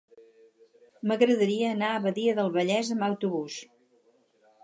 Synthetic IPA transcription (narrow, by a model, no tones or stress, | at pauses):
məɣɾəðəɾiəːnaəβəðiəðəlˠβəʎɛzəmbəwt̪uβus